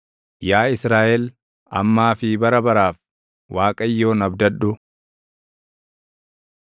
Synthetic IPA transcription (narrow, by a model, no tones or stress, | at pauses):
jaːɪsɾaːʔɛl | ɐ̰mːaːfɪbɐɾɐbɐɾaːf | waːkʼɐjːoːnɐbd̪ɐᶑʊ